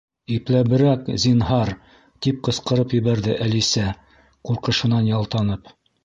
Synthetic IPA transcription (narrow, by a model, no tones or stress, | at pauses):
iplæβɘ̆ɾækzinɦɑɾ | t̪ip̚qɤ̆sqɤ̆ɾɤpjɘ̆βæɾðɘʔælisæ | quɾqɤ̆ʃɤ̆nɑnjɑlˠt̪ɑnɤp